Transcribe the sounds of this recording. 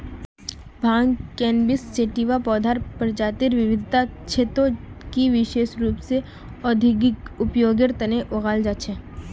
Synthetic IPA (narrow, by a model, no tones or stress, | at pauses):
bʱãːŋɡkɛ̃ːnbɪsːeːʈiʋapɔːd̪ʱaːɾpɐɾd͡ʒaːt̪ɪɾʋɪʋɪd̪ʱt̪at͡ʃʰeːt̪õkiʋɪʃeːʃɾuːpse | ɔd̪ʱɪɡɪkʊpjoːɡɪɾt̪ɐneʔoɣaːld͡ʒaːt͡ʃʰɛː